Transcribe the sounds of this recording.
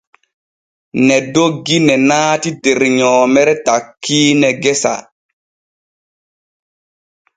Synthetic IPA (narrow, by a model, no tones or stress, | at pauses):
nɛdoɡinɛnaːtideɾɲɔːmɛɾɛtakʰːiːnɛɡɛsa̰